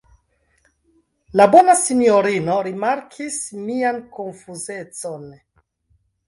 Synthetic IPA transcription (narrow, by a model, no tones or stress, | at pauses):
labo̞nasinioɾino̞ɾimaɾkʰismiankonfuzet͡so̞n